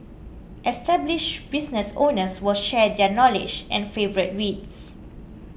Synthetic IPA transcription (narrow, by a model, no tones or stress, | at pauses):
ʔɛstɛbliʃbisnəsõnəswɪlʃɛdɛnɔlɪ̰d͡ʒɛ̰̃nfevəɹit̚ɹits